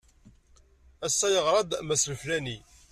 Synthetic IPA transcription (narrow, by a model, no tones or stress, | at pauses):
æsːæjəʁɾˤɑd̪mæsləflæni